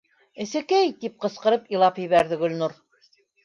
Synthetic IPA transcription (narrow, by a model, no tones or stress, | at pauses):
ɘ̆sɘ̆kæjt̪ip̚qɤ̆sqɤ̆ɾɤpilˠɑpjɘ̆βæɾðɘɡɵ̆lʲnuɾ